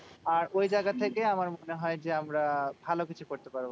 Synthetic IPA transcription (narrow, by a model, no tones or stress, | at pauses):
aɾojd͡ʑaɡat̪ʰekeamaɾmoneɦɔed͡ʑeamɾabʱalokit͡ɕʰukoɾt̪epaɾbo